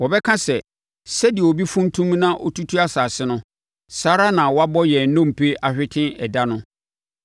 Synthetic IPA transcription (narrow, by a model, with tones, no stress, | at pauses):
wɔ˨bɛ˦kʰã˦sɛ˨ | sɛ˦dɪ˨ɛ˨o˨bi˦fũ˦n˦tʰũ˦mnã˦ʔɔ̰˦tʰu˦tʰu˦a˦saː˨sɪ˦nʊ̃˦ | saː˦ɾa˦nã˨wɔ˦a˦bɔ˦jɛ˨˦nʊ̃˦˨m̩˨pʰe˦ʔa˨ɕᶣɪ˦tʰɪ̃˦nɛ˨da˦nʊ̃˦